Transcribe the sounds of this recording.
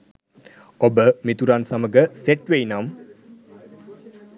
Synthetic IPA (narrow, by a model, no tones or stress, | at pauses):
obəmit̪uɾansaməɡəseʈʋejnam